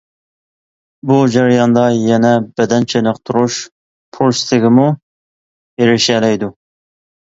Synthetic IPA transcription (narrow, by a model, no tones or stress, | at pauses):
bud͡ʒɛɾjɑnd̪ɑjɛnɛbɛd̪ɛnt͡ʃʰenəqt̪ʰuɾuʃ | pʰulst̪ʰɪɡʲɪmu | eɾɪʃɛlɛjd̪u